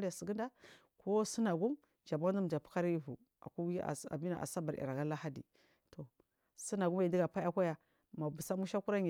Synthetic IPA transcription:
a˨si˨ɡi˦nda˦ | ko˦su˦na˨ɡu˦m | d͡ʒa˨ba˦du˦m˨d͡ʒa˨pu̥˦ka˦ɾi˦vu˨ | a̰˨ku˦ḭ˦˨a̰˨bi˦na̰˨ʔa̰˨sa˦ba˨ɾḭ˨ɾa˨ɡa˦la˦ha˦dḭ˨ | to˨ | si˦na˨ɡu˦m˦i˨ndi˦ɡa˨pa˦a˦kʷa˦ja˨ | ma˨bu˨sa˦mu˦ʃa˦ku˦ɾa˦ɲ˨

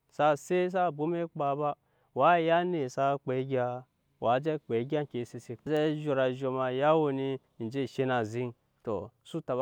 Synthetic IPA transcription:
sa˦˨se˦s̬a˦bo˦me˦k͡pa˨ba˦ | wa˦ja˦ne˨sa˦k͡pe˨˦ɡʲa˧ | wʔa˨˦d͡ʒe˦k͡pe˨˦ɡʲa˦kʲe˨˦si˨si˨d͡ʒe˦ʒo˨ɾa˨ʒo˨ma˨ja˦wo˨ni˦˨ | d͡ʒe˦˨ʃe˦na˨zi˦n | to̰˨su˦ta˨b

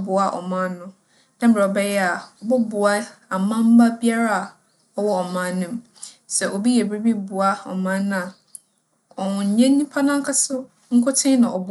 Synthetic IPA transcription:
bʊ˨a˦ʔɔ̰˨mã˦nnːʊ̃˦ | nã˦m̩˦ba˨ɔ˨bɛ˦jɛ˦a˨ɔ˨bʊ˦bʊ˨a˦ | a˨mã˦m̩˦ba˦bi˦a˦ɾa˦a˨ | ɔ˨wɔ˦ɔ˨mã˨˦nnːʊ̃˨m | sɛ˨ʔo˨bi˦jɛ˨bɾi˦bi˦bʊ˨a˦ɔ̰˨mã˦nñ˦a˨ | ɔ˨ɲ˨˦ɲɛ̃˦nĩ˦pʰa˦nã˦ŋ˦kʰa˦sʊ˦ | ŋ̩˦kʰʊ˦tʰɪ̃˦nã˨ʔɔ˨b

